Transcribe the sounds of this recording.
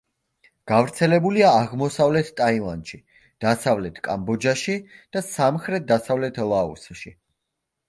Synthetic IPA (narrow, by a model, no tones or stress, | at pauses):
ɡ̥avɾt̪sʰɛlɛbuliaːʁmɔsavlɛt̪ʰt̪ʼaivanʃi | d̪̥asavlɛt̪ʰkʼa̰mbɔd͡ʒaʃid̪̥asamχɾɛt̪̚d̪asavlɛt̪ʰlˠaṵsʃi